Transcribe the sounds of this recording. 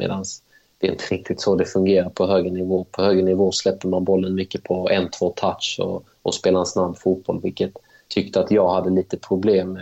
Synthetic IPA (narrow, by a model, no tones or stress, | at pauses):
mḛːd̪ans | d̪̥ɛɾɪnt̪ʰəɾɪk̚t̪ɪt̪sɔd̪ɛfɵŋɡeːɾaɾpʰɔɦøːɡɾənɪvoːpʰɔhøːɡɾənɪvoːslɛpːəɾmanbɔlːənmʏkːəpʰɔɛnt̪ʰv̥oːt̪ʰatʂɔ̰ | ɔspeːlaansnamːfuːt̪̚b̥ɔlvɪlkət̪ʰː | ʏkt̪əat̪jɑːɡhad̪ːəliːt̪əpʰɾʊbleːmːɛ